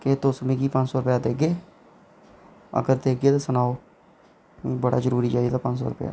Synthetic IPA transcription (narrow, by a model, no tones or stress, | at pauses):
ket̪oːsmẽːkiːpə̃ɲd͡ʒsɔːɾʊpjaːd̪eːɡeː | ə̰ɡəɾd̪eːɡeːt̪aːsənaːoː | ĩːbəɽa̰ːzəɾuːɾiːt͡ʃaːid̪aːpə̃ɲd͡ʒsɔ̰ːɾʊpja̰ː